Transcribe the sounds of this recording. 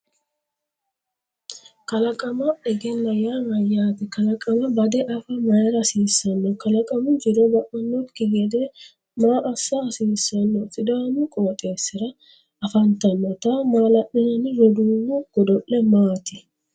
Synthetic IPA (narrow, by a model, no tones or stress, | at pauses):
kɐlɐkʼɐmɐɛɡɛnːɐjaːmɐjaːt̪ɛkɐlɐkʼɐmɐbɐd̪ɛʔɐfɐmɐjɛɾɐsiːsːɐnːɔkɐlɐkʼɐmʊd͡ʒɪɾobɐʔɐnːɔt̪kɪɡɛd̪e | maːʔɐsːɐːsiːsːɐnːɔsʼɪd̪aːnʊkʼoːt̪ʼe̞ːsːɪɾɐ | ɐfɐnt̪ɐnːɔt̪amaːlɐʔɪnɐnɪɾɔd̪uːmːʊɡ̥ɔd̪ɔʔːɛmaːt̪ɪ